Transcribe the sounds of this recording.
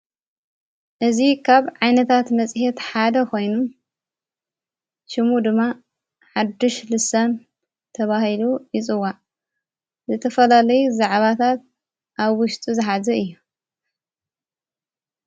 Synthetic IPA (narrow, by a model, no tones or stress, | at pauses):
ʔɨzikʰaβʕajnɐt̪ʰat̪mɐt͡sʼhet̪ħad̪ɐkʰo̞jnu | ʃɨmud̪ɨmːa | ħad̪ːɨʃlɨsan | t̪ʰɐβahilujɪt͡sʼɨwa | zɨt̪ʰɐfɐlalɐjuzaʕβat̪ʰat̪̚ | ʔaβwʊʃt̪ʼizɨħazɐɨjːu